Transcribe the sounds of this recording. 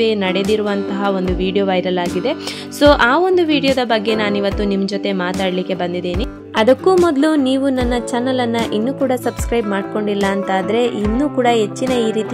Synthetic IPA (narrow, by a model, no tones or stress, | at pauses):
eːnɐɽe̞d̪iɾuʋɐnt̪ɐɦɐo̞nd̪uʋiːɽijoʋɐjɾɐlaːɡid̪e̞ | so̞ːʔaːo̞nd̪uʋiːɽijod̪ɐbɐɡːe̞naːniʋɐt̪ːunimːɐd͡ʒot̪e̞maːt̪aːɽlikːe̞bɐnd̪id̪eːni | ɐd̪ɐkːumɔd̪luniːʋunɐnːɐt͡ʃɐnɐlɐnːɐʔinːuːkuːɽɐsɐbskɾɐjbmaːɽko̞ɳɖilːɐːnt̪aːd̪ɾe̞ʔinːuːkuːɽɐɦe̞t͡ʃːinɐiːɾiːt̪i